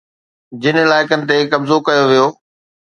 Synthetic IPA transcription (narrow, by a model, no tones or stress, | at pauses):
d͡ʑɪnəɪlaːɪkənɪ̆t̪ekɐbzokɐjoʋijoː